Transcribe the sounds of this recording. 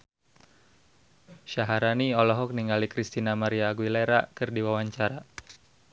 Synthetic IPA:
ʃaɦaɾaniɔlɔɦɔk̚niŋalikɾist̪inamaɾiaɡwileɾakɨrdiwawaɲt͡ʃaɾa

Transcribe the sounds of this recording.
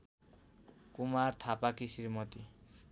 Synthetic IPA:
kumaɾt̪ʰapakisiɾmɔt̪i

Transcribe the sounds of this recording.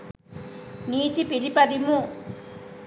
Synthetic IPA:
niːt̪ipilipɐd̪imu

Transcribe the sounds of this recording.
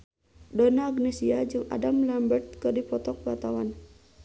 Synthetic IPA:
dɔnaːɡnɛsiad͡ʒɨŋa̰damlambərt̪̚kɨrdipɔt̪ɔk̚bat̪awan

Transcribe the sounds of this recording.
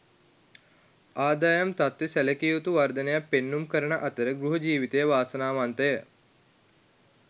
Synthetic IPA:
aːd̪aːjɐmt̪at̪ʋesæləkiːut̪uʋard̪ənejapːenːumkəɾənəʔat̪əɾəɡɾuɦɐd͡ʒiːʋit̪ejəʋaːsənaːʋant̪əjə

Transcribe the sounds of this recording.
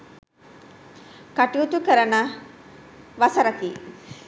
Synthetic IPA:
kɐʈiut̪ukəɾɐnɐ | ʋɐsɐɾɐkiː

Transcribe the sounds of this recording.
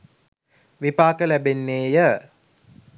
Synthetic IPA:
ʋipaːkəlæbenːeːjə

